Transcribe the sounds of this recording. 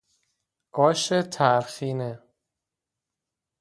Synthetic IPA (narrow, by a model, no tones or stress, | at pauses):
ɡ̥ɒːʃet̪ʰæɾxiːne